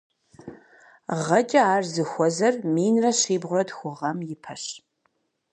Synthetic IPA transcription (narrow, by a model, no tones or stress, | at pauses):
ʁɐt͡ʃʼɐaːrzɨxʷɔzɐrmiːnrɐɕiːbʁʷʊrɐdxʷʊʁɐmjɪpʰɐɕ